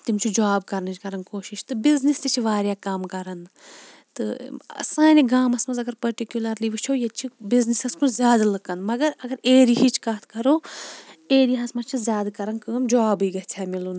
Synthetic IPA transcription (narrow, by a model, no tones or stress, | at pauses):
t̪imt͡ʃʰid͡ʒaːbkɐɾnɨt͡ʃkɐɾɐnkoːʃiʃt̪ɨbiznist̪it͡ʃʰiʋaːɾjaːkɐmkɐɾɐn | t̪ɨɐ̰saːniɡaːmɐsmɐzɐɡɐɾpɐɾʈikjulɐɾliʋɨt͡ʃʰojɐt͡ʃʰibiznisɐskuzʲjaːd̪ɐlɨkɐnmɐɡɐɾɐɡɐɾeːɾiɦit͡ʃʰkat̪ʰkɐɾoː | eːɾijaɐsmɐt͡ʃʰizʲjaːd̪ɐkɐɾɐnkəːmd͡ʒaːbiɡɐt̪ʰɛːmilun